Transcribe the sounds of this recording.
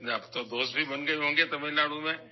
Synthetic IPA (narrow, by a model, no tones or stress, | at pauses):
apt̪od̪oːst̪bʱibɐnɡəɦõːŋɡet̪ɐmẽlaːɽumẽ